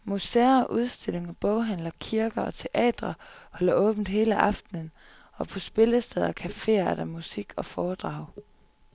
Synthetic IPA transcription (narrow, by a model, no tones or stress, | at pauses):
museɐʔuð̞ˠsd̥e̝l̰e̝ŋɒb̥ɔʊɦæn̰lɐkʰiɐɡ̥ɐɒ̽t͡sʰe̝ʔɛ̰ːd̥ʁɐhɒ̽lɐʔɔ̽ːb̥n̩ɦe̝ːləʔɑ̈fd̥nən̩ | ɒ̽pʰɒ̽sb̥e̝ləsd̥eð̞ˠɐkʰæfe̝̰ːɐæɐd̥ɑmusiɡ̥ɒ̽fɒːd̥ʁɑ̈ʊ̰